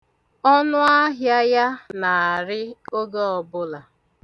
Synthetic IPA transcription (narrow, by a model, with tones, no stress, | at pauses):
ɔ˦nʊ˦a˦ɦja˦ja˦na˨ɾɪ˦o˦ɡe˦ɔ˨bʊ˦la˨